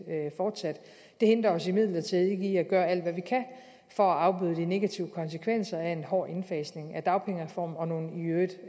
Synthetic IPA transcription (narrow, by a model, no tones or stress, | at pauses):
fɒːd̥sæd̥ | d̥e̝he̝nd̥ʁɐɒ̽simið̞̰ˠlɐt͡sʰið̩ˠe̝ɡiæɡ̥ɶːɐæl̰d̥ʋæʋikʰæ | fɒ̽æɑ̈ʊb̥yːð̞ˠəd̥ine̝ɡ̥æt͡sʰiʊəkʰɒ̽nsəkʰʋen̰sɐæe̝nɦɒ̰ːʔe̝nfɛːsne̝ŋæd̥ɑ̈ʊpʰeŋəʁfɒ̰ːmɒ̽no̝ːn̩iød̥